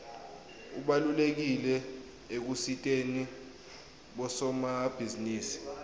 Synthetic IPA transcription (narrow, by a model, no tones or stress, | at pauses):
uɓalulek̬ilɛ | ek̬usitʼeni | ɓɔsɔmab̥ʱiziniːsi̥